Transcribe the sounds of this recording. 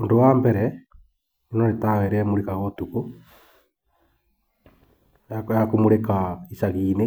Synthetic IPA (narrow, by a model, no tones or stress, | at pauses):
ondowaːmbɛɾɛ | ninoɾetaweɾɛmuɾikaɣotuku | akomuɾekaisaɣiːne